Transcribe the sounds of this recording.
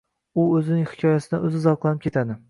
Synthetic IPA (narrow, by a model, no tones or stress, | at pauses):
ʊɵzɪnɪŋhɪ̥kʰʲɒjasɪd̪a̰ʔɵzɪzɒqlˠanɪp̚kʰʲe̞t̪ʰad̪ɪ